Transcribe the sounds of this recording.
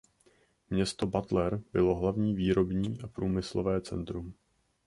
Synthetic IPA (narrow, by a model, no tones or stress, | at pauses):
mɲɛst̪o̞bat̪lɛɾbɪlo̞ɦlavɲiːviːɾo̞bɲiːʔapɾuːmɪslovɛːt͡sɛ̰nt̪ɾum